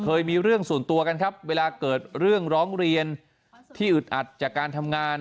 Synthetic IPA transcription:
kʰɤː˧jmiː˧ɾɯ˥˩əŋsu˨˩nt̪u˧ɐka˧nkʰa˦˥p̚weː˧laː˧kɤː˨˩t̪̚ɾɯ˥˩əŋɾɔː˦˥ŋɾi˧ən | t̪ʰiː˥˩ʔɯ˨˩t̪̚ʔa˨˩t̪̚t͡ɕaː˨˩kːaː˧nt̪ʰa˧mŋaː˧n

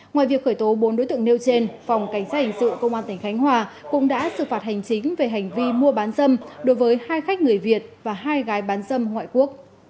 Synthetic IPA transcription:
ŋwaː˧˨vi˨˩ək̚xəː˧˩jt̪o˨˦ɓo˨˦nɗo˧˥˦t̪ɨ˧˨əŋne˧wt͡ɕe˧nfa˨˩wŋ͡mka˧˩jŋ̟saː˦˥t̚hi˨˩ŋ̟sɨ̰˧˨kə˧wŋ͡mʔaː˧nt̪ï˧˩ŋ̟xa˨˦jŋ̟ɦwaː˧˩ | kʊ̰˧˥ŋ͡mɗa̰ː˧˥sɨ̰˧˨faː˨˩t̚ha˨˩jŋ̟t͡ɕï˨˦ŋ̟ve˨˩ɦa˨˩jŋ̟vi˧mu˧əɓaː˨˦nzə˧mɗo˨˦jvəː˨˦jhaː˧jxa˦˥k̟̚ŋɨ˨˩əjvi˨˩ət̚vaː˨˩ɦaː˧jɣaː˨˦jɓaː˨˦nzə˧mŋwa̰ː˧˨jku˦˥ək̚

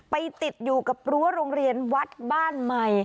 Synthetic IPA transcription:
pa˧jt̪i˨˩t̪̚juː˨˩ka˨˩p̚ɾu˦˥əɾoː˧ŋɾi˧ənwa˦˥t̪̚baː˥˩nma˨˩j

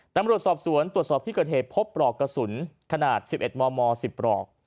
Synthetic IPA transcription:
t̪a˧mɾu˨˩ət̪̚sɔː˨˩p̚su˩˦ənt̪ɾu˨˩ət̪̚sɔː˨˩p̚t̪ʰiː˥˩kɤː˨˩t̪̚heː˨˩t̪̚pʰo˦˥p̚ɾɔː˨˩kːa˧su˩˦nkʰa˧naː˨˩t̪̚si˨˩p̚ʔe˨˩t̪̚mɔː˧mɔː˧si˨˩p̚ɾɔ̰ː˨˩k̚

